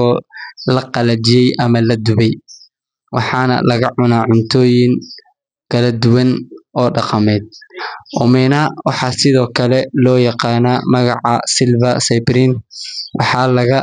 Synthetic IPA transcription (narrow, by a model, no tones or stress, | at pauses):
ɔlɐqɑlɐt͡ʃɪjɛjʔɐmɐlɐd̪ʊβɛj | wɑ̰ħɑːnɐ̰lɐɣɐʕʊnaːʕʊnt̪ʰɔːjɪŋ | kʰɐlɐd̪ʊwɐnʔɔːɖɑqɑmɛːd̪̚ʔʊmɛnɐwɑħɑsɪðɔːkʰɐlɛlɔːjɑqɑːnaːmɐɣɑ̰ʕɑ̰sɪlbɐsɐpɾinwʔɑ̰ħɑlɐɣɐ